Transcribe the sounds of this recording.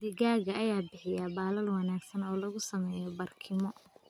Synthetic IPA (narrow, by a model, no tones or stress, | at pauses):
d̪ɪɣaːɣɐːjaːbɪħɪjaːbaːlɐlwɑnaːɡsɐnɔːlɐɣʊsɐmɛːjɔbɐrkʰɪmɔ